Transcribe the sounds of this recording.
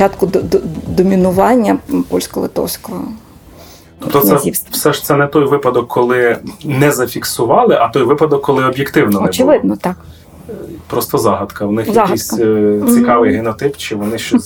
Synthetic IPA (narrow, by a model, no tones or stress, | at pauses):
t͡ʃɑt̪kʊd̪d̪ɔmʲinʊʋɑnʲːɐpɔlʲsʲkɔlˠɪ̰t̪ɔ̰wsʲkɔɦɔ | t̪ɔpt̪ɔsɛifsɛʒt̪sɛnɛt̪ɔjʋɪpɐd̪ɔkʰːɔlˠɪnɛzɐfʲiksʊʋɑlˠɪʔɐt̪ɔjʋɪpɐd̪ɔkːɔlˠɪɔbʲjekt̪ɪwnɔɔɛt͡ʃɪʋɪd̪nɔt̪ɑk | pɾɔst̪ɔzɑɦɐd̪kɐwnɪxjʲisʲt͡sʲikɑʋɪjɦɪnɔt̪ɪpt͡ʃɪʋɔnɪʃt͡ʃɔsʲ